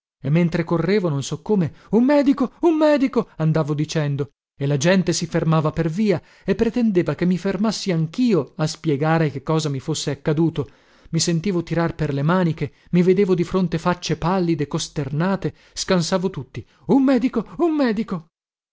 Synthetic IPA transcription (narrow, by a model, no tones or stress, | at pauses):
emːent̪ɾekorːeːvononsɔkːoːmeumːɛːd̪ikoumːɛːd̪ikoand̪aːvod̪it͡ʃɛnd̪o | elad͡ʒɛnt̪esifermaːvaperviːa | epːɾet̪end̪eːvakemːifermasːiaŋkiːoaspjɛɡaːɾekekːɔːzamifosːeakːad̪uːt̪o | misent̪iːvot̪iɾarperlemaːnik̟e | mːived̪eːvod̪ifɾont̪efat͡ʃːepalːid̪ekost̪ernaːt̪e | skansaːvot̪ut̪ːi | umːɛːd̪ikoumːɛːd̪iko